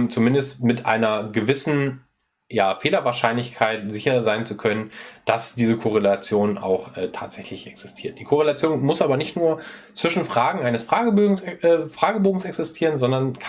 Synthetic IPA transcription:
t͡sumɪndəstmɪtʔa̰ɪnɐɡəvɪsn̩ | jaːfeːlɐvaːɐʃaɪnlɪçkʰaɪtz̥ɪçɐzaɪnt͡sukʰœnənd̥asd̥iːzəkʰoʁ̞elat͡sjoːna̰ʊxʔɛːtʰa̰ːtz̥ɛçlɪçʔɛksɪ̥stʰiːɐt̚d̥iːkʰoʁ̞elat͡sjoːnmʊsʔaːbɐnɪçtnuːɐ | t͡sv̥ɪʃn̩fʁ̥aːɡŋ̩ʔaɪnəsfʁ̥aːɡəbøsfʁ̥aːɡəboːɡŋ̩sɛksɪstʰiːʁ̞ənzɔndɐnkʰ

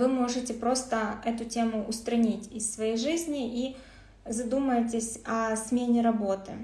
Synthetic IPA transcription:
vɨmo̞ʐɨtʲɪpɾo̞st̪əɛt̪ʊtʲemʊːʊst̪ɾɐnʲitʲɪsːvɐjejʐɨzʲnʲɪʔi | zɐd̪uməjɪt̬ʲɪsʲɐsmʲenʲɪɾɐbo̞t̪ɨ̰

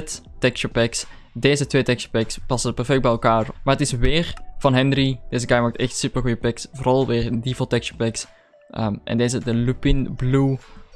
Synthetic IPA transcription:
ttɛkʃopɛks | deːzətʋeːtɛkʃopɛkspɑsəpɛrfɛk̚bɛjɛlˠkaːrmarətɪsʋɪːrv̥ɑnɦɛnrid̥eːzəɡajmaːk̚tɛxtsypərɣujəpɛksvorɑlˠʋɪːrdivolˠtɛkʃopɛks | ʔəmʔɛ̰ndeːzədəlupɪnblu

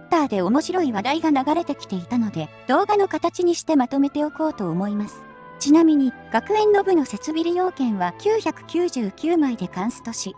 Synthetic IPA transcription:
t̪ːaːd̪e̞omo̞ɕiɾo̞iβad̪aiɡanaɡaɾe̞t̪e̞kʲi̥t̪e̞it̪ano̞d̪e̞ | d̪̥o̞ːɡano̞kat̪at͡ɕiɲ̟iɕi̥t̪e̞mat̪o̞me̞t̪e̞o̞ko̞ːt̪o̞ːmo̞imasɨ̥ | t͡ɕinamʲiɲ̟iɡ̥akɯ̟ẽ̞nːo̞bɯ̟no̞se̞t͡sɨbʲiɾʲijo̞ːkẽ̞ɰ̃βakʲɨːçakɯ̟̥kʲɨːʑɨːkʲɨːmaid̪e̞kãɰ̃sɨ̥t̪o̞ɕi

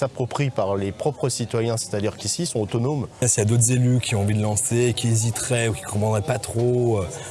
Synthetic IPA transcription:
sapχɔpχipaʁlepχɔpχəsit̪wajɛ̃se̥t̪ad̪iʁkʲisisɔ̃ot̪ɔnomɛ̃sijad̪ot̪χəzelykʲiɔ̃ɑ̃vid̪əlɑ̃sekʲiezit̪χɛukʲi̥kɔ̃pχɑ̃d̪ʁɛpat̪χoø

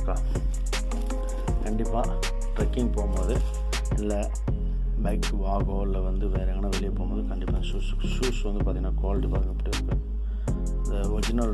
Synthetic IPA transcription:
kãː | kɐɳɖɪpːa̰ː | ʈɾɐkːɪŋpoːmboːðɯ | ɪlːɐ | bɐɪkːʋaːɣoːɾlɐʋɐnd̪ɯʋeːɾɐɛŋɡɐnãːʋɛɭɪjɐpoːmboːðɯkɐɳɖɪpːaːɪnuːs | suːsʋɐnd̪ɯpaːt̪iŋɡɐnːaːkaːlɪʈːipaːt̪ɪŋɡɐpːɐʈːɯɪɾɯkːɯ | ɪnd̪ɐʋɔɾd͡ʒɪnɐl

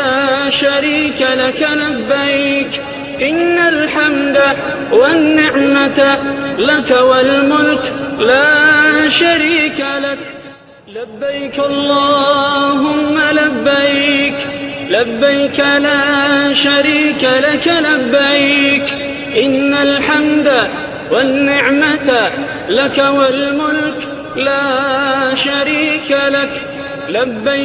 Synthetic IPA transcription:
aːʃaɾiːkalakalabːajk | ʔɪnːalħamd̪a | wanːɪʕmat̪lakawalmʊlklaːʃaɾiːkalak | labːajkʔɑlˤːɑːɦʊmːalabːajklabːajkalaːʃaɾiːkalakalabːajk | ʔɪnːalħamd̪a | wanːɪʕmat̪ | lakawalmʊlk | laːʃaɾiːkalak | labːa

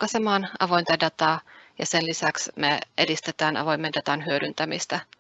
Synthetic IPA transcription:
kɑsemɑːnɑ̰ʋo̞jnt̪ɑdɑt̪ɑːjɑ̰se̞nlisæksmeʔḛdist̪e̞t̪æːnʔɑ̰ʋo̞jmːe̞ndɑt̪ɑnɦyøɾynt̪æmist̪æ

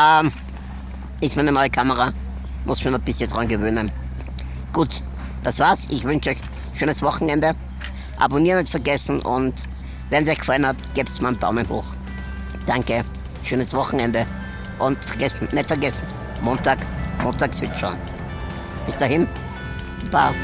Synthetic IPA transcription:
ʔaːm | ɪstmaæɪnənɔʏəkʰaməʁa | mʔʊsɪ̥miɐnɔb̥ɪsçəndʁanɡəvøːnən | ɡ̥uːt | d̥asv̥aːɐsʔɪçv̥ʏnʃɔʏç | ʃøːnəsvɔχŋ̩ɛndə | ʔa̰boniːʁnʊntfɛɐɡɛsn̩ʔʊ̰nt | vɛɐns̬ɔɪçɡ̥falənhaptɡ̥eːptsmanb̥a̰ʊmənho̰ːx | d̥aŋkə | ʃøːnəsvɔχŋ̩ɛndə | ʔʊntfɛɐɡɛsn̩nɛtfɛɐɡɛsn̩ | moːntaːkmoːntaːksvɪʃa̰ʊn | b̥ɪsd̥aɦɪn | b̥a̰ː

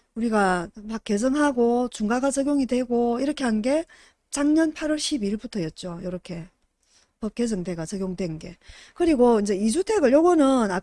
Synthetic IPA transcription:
uɾiɡamak͈ːe̞sʰʌŋɦaɡot͡ɕuŋɡaɡat͡ɕʌɡjoŋidwe̞ɡoiɾʌkʰe̞ɦannɡe̞ | t͡ɕaŋɲʌnpʰaɾʌɭɕ͈ʰibiɭbutʰʌjʌt̚t͡ɕ͈ojʌɾʌkʰe̞ | pʌp̚k͈e̞s̬ʰʌŋde̞ɡat͡ɕʌɡjoŋidwe̞nnɡe̞kɯɾiɡoind͡ʑe̞isʰutʰeɡɯɭjoɡʌnɯna

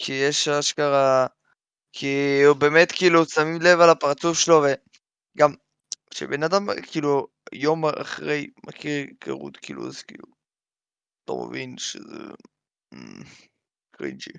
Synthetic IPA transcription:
kʰijeʃaʃkaʁa | kʰibemetkiːlusamimle̞valapaʁt͡sufʃelove | ɡam | ʃḛbenadamkʰiːlu | jo̞ma̰χʁejmʔakʰiʁkʰa̰ʁṵt̪kḭːlṵazkḭːlu | to̰mḛvinʃezḛ | kʁḭnd͡ʒḭ

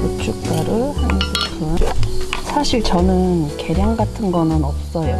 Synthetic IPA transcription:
ot͡ɕʰuk̚k͈aɾɯɭhansʰekʰɯnsʰaɕʰiɭt͡ɕʌnɯnke̞ɾjaŋɡatʰɯnɡʌnɯnʌp̚s͈ʌjo

